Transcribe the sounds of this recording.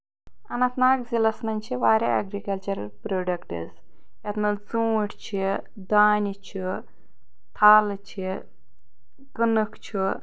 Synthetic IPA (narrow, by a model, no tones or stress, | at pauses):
ɐnɐnt̪naːkzilɐsnɐnʲt͡ʃʰiʋaːɾʲeɐ̰ɡɾikɐlt͡ʃɐɾɐlpɾoːɖɐkʈɨ̰z | jɐt̪mɐld͡zuːʈʰt͡ʃʰi | d̪aːnʲit͡ʃʰi | t̪ʰaːlt͡ʃʰi | ɡənɨkt͡ʃʰi